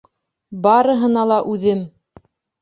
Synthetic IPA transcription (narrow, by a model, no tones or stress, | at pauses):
bɑɾɤ̆ɦɤ̆nɑlˠɑʔʉðɘm